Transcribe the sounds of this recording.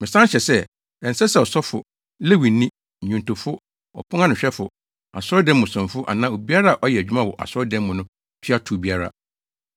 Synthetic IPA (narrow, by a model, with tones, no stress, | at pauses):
mɪ̃˨sã˦n˦ɕɛ˨sɛ˦ | ɛ˨n̩˨sɛ˦sɛ˨ɔ˨sɔ˦fʊ̰˨ | le˦wĩ˨˦nːĩ˦˨ | ɲũ˨ntʊ̃˨fʊ˦ | ɔ̰˨pʰʊ̃˦ŋã˦nʊ̃˨ɕᶣɛ˦fʊ˨ | a̰˨sʊ˦ɔ˦dɛ̃˦mʊ̃˨sɔ̃˨nfʊ˦ʔa̰˨nãː˦o˨bi˦a˦ɾa˦a˨ʔɔ˦jɛ˨æ˨d͡ʑᶣu˦mã˦˨wɔ˨ʔa̰˨sʊ˦ɔ˦dɛ̃˦m˦mʊ̃˨nʊ̃˦ | tʰi˦a˦tʰu˨bi˦a˦ɾa̰˦